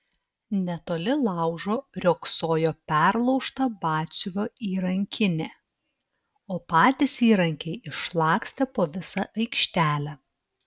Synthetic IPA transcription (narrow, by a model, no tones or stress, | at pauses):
nʲɛt̪oːlʲɪlˠɑˑʊʒoːɾʲoːksoːjoːpʲæˑɾlˠɔʊʃt̪ɐbɑːsʲʊʋʲoːiːɾɐŋʲkʲɪnʲeː | oːpɑːt̪ʲɪsiːɾɐŋʲkʲɛɪɪʃlˠɑːksʲt̪ʲɛpoːʋʲɪsɐʔɐɪkʃʲt̪ʲæːlʲæː